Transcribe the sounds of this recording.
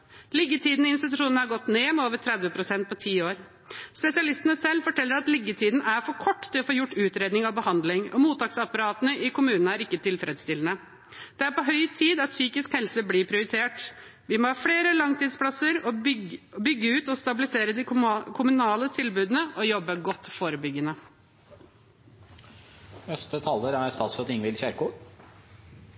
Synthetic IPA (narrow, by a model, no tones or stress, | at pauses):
lɪɡːət̪ʰiːd̪n̩ɪɪnst̪ɪt̪ʉʂuːnnəhɑɾɡɔt̪ːneːmɛoːʋəʈ̪ʰɾɛd̪ʋəpʰɾʊsɛnt̪̚pʰɔt̪ʰiːoːɾ | spɛsɪɑlɪst̪nəsɛlːfɔʈʰɛlːəɾɑt̪lɪɡːət̪ʰiːd̪nʔæɾfɔɾkʰɔʈːt̪ɪlɔfoːjʊʈːʉːt̪ɾeːd̪nɪŋɑʋbəhɑnd̪lɪŋɔ̰muːt̪ɑːksɑpːɑɾɑːt̪ənəʔɪkʰʊmʉːnnəæɾɪkːət̪ɪlfɾed̪st̪ɪlənə | d̪̥ɛæɾpɔɦœʏt̪ʰiːd̪ɑt̪syːkɪskhɛlsəbliːpʰɾɪʊɾɪt̪ʰeːʈ | ʋɪmohɑːfɽeːɾəlɑŋt̪ʰiːd̪splɑsəɾɔbʏɡːəʉːt̪ɔst̪ɑbɪlɪseːɾəd̪ɪkʰʊmʉnɑːlət̪ʰɪlbʉːd̪ənəʔɔjɔbːəɡɔt̪ːfoːɾəbʏɡənə | nɛst̪ət̪ʰɑlːəɾæɾst̪ɑːt̪sɔt̪ɪŋʋɪlçæɾkuː